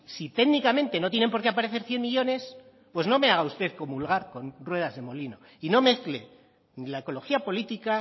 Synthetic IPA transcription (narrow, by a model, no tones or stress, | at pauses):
sit̪e̞ɣnikamẽ̞nt̪e̞no̞t̪̬je̞ne̞mpo̞ɾke̞apaɾe̞θe̞ɾθje̞nmiʎo̞ne̞s | pwe̞zno̞me̞aɣaust̪e̞ðko̞mulɣaɾko̞nrwe̞ð̞azðe̞mo̞lino̞ | ino̞me̞θkle̞ | nilaeko̞lo̞xiapo̞lit̪ika